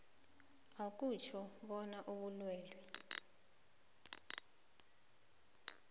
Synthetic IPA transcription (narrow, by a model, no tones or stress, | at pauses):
ak̬ʼut͡ʃʰɔɓɔnaʔoɓulwɛːlwi